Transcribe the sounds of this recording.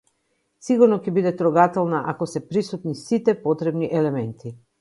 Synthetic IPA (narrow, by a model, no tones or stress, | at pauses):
siɡuɾnɔkɛbid̪ɛt̪ɾɔɡat̪ɛlˠnaʔakosɛpɾisut̪nisit̪ɛpot̪ɾɛbniʔɛlɛmɛnt̪ʰi